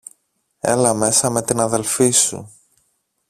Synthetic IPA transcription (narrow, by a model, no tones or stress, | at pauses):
e̞̰lɐme̞sɐme̞t̪inɐðe̞lfisṵ